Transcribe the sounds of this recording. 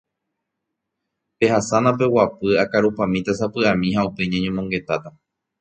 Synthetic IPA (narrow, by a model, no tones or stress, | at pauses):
pe̞hasanap̬e̞wapɨakaɾupãmĩt̪asapɨamĩhaupe̞ɲãɲõmõŋɡe̞t̪at̪a